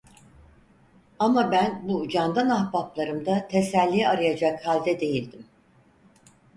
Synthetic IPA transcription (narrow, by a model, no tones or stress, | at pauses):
amabænbud͡ʒand̪anahbaplˠaɾɯmd̪at̪ʰesælʲːijaɾɯjad͡ʒakhalʲd̪ɛd̪e̞jilʲd̪im